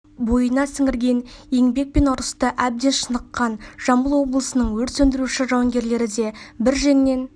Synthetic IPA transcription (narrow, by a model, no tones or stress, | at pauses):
bo̞jənɑsɪŋɪɾɡʲe̞nje̞ŋbe̞k̚pe̞nʊɾəst̪əʔæb̚d̪e̞nʃənəqːɑnʒ̥ɑmbəlˠwo̞blˠəsənəɴwɵɾt̪sɵnd̪ɪɾuʃɪʒɑwɑŋɡʲe̞ɾle̞ɾɪd̪e̞bɪɾʒenːe̞n